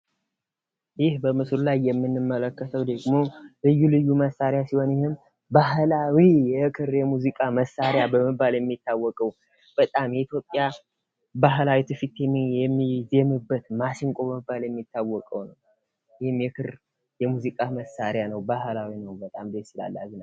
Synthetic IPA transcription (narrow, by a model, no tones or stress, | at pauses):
jɪhbəmɨsɾulajːɛmːɨnːɨmːələkːət̪ʰəwd̪əɡmo̞lɨjːulɨjːuməsaɾjasiho̞njɪhɨm | baɦlawijɛʔkʰɨɾjɛmuzikʼaməsːaɾjabəmɨbːaljɛmːit̪ːawːɔkʼəw | b̥ət̪ʼamjɛit̪jo̞pʼːja | baɦlawit̪ʰɨfit̪jɛmːijɛmːizemɨbːət̪masɪŋkʷʼo̞bəmɨbːaljɛmːit̪ʰːawːɔkʼəwnəw | jɪhɨmjɛkʰɨɾ | jɛmuzikʼaməsaɾjanəwbahlawinəwbət̪ʼamd̪et̪sila̰lːa̰zina